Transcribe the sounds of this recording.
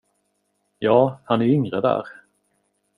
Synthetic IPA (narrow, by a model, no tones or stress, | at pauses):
jɑːhanæɾʏŋɾəd̪æ̰ːɾ